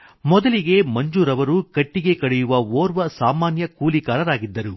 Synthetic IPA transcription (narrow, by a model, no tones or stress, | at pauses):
mɔd̪ɐliɡe̞mɐɲd͡ʒuːɾɐʋɐɾukɐʈːiɡe̞kɐɽejuʋɐoːɾʋɐsaːmaːnjɐkuːlikaːɾɐɾaːɡid̪ːɐɾu